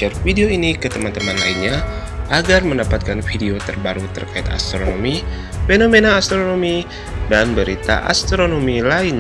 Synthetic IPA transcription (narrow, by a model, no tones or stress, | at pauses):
ərfideoinikət̪əmant̪əmanlainɲa | ʔaɡarməndapat̪̚kanfideot̪ərbaɾut̪ə̰rkaɪt̪a̰st̪ɾonomi | fenomenaːst̪ɾonomi | danbəɾit̪a̰ʔa̰st̪ɾonomilain